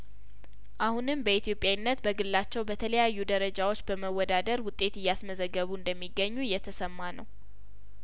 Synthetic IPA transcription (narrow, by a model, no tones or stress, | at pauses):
ʔahunɨmbəit̪ijopʼjawnːət̪bəɡɨlːat͡ʃːɛwbət̪ʰələjajːud̪əɾəd͡ʒawo̞t͡ʃːbəməwːɔd̪ad̪əɾwʊt̪ʼːe̞t̪ɨjːasməzəɡːəβuɨnd̪əmːiɡːəɲːuɨjːɛt̪ʰəsəmːanəw